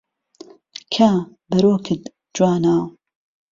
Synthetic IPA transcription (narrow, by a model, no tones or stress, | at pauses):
kʰaː | bɐɾoːkʰɨt̪ | d͡ʒwaːnaː